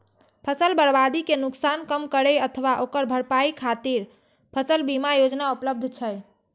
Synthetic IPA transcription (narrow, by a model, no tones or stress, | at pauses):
pʰəsəlbəɾbad̪ikenuksankəmkəɾeət̪ʰəʋaʔokəɾbʱəɾpaikʰat̪iɾ | pʰəsəlbimajod͡ʒnaupləb̚d̪ʱt͡ʃʰəj